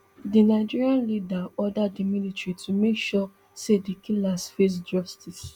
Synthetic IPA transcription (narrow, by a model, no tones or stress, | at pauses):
dinaɪd͡ʒiɹiãnlidaɔdadimilitɹitʰumekʃɔ | sedikʰilasfes̬d͡ʒɔstis